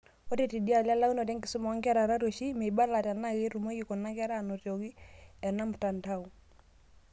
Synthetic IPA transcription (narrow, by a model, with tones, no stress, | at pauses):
o˦te˦˨ti˨di˦a˨la˦la˦u˦nɔ˨tɛ˦ŋɡi˨su˦mɔ˨˦ŋɡɛ˦ɾa˨ɾa˦ɾo˨ʃi˦me˨i˨ba˦la˨ta˨na˦ɣe˦ɾu˨mo˦ju˨kɔ˨na˦ka˦ɾa˦˨no˨tjo˨ɣi˦ɛ˨na˦mu˨ta˨nta˦u˨